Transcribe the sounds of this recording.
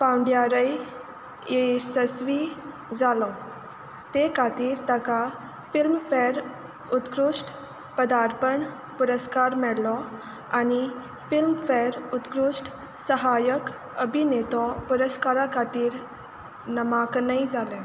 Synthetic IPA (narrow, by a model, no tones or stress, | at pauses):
pãwɳɖjaɾəj | esəsʋi | d͡zalɔ | t̪ekʰat̪iːɾt̪aka | filmfɛɾ | ut̪kɾuʂʈ | pəd̪aɾpəɳ | puɾəskaɾmɛɽlɔ | añi | filmfɛɾut̪kɾuʂʈ | səɦajək | əbʱinet̪ɔpuɾəskaɾakʰat̪iːɾ | nəmaknajd͡zʱalɛ̃